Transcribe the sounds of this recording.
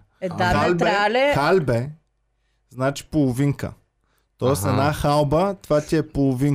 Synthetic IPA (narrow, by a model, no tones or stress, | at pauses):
aalb̪ɛlɛxalbɛ | znat͡ʃi̥polˠʊviŋkə̰ | t̪ɔɛsɛd̪naxalˠbət̪ovat̪ʲiɛpolˠʊviŋ